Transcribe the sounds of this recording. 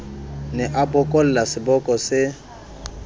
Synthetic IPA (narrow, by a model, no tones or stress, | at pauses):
nɛʔabʊkʼɔl̩lasɪbɔkʼɔsɪ